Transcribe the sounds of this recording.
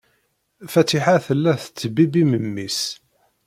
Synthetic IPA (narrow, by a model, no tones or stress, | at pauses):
fæt̪iħaθəlːæθə̥t͡sːbibiməmːis